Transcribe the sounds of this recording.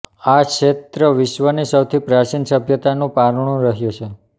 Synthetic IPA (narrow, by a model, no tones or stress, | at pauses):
akʃet̪ɾəʋɪʃʋənisəwt̪ʰipɾat͡ʃinsəbʱjət̪anũpaɾɳ̃ũɾəɦjũt͡ʃʰe